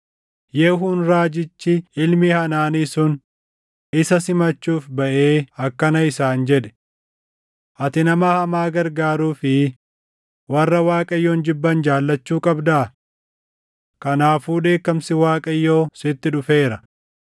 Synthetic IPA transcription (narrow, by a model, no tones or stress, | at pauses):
jeɦunɾaːd͡ʒɪt͡ʃːɪɪlmɪhɐnaːniːsʊn | ɪsɐsɪmɐt͡ʃːuːfbɐʔeːɐkːɐnɐɪsaːnd͡ʒɛᶑɛ̥ | ʔɐt̪ɪnɐmaːhɐmaːɡɐɾɡaːɾuːfɪ | wɐrːɐwaːkʼɐjːoːnd͡ʒɪbːɐnd͡ʒaːlːɐt͡ʃːuːkʼɐbd̪aː | kɐnaːfuːᶑe̞ːkːɐmsɪwaːkʼɐjːoːsɪt̪ːɪᶑʊfe̞ːɾɐ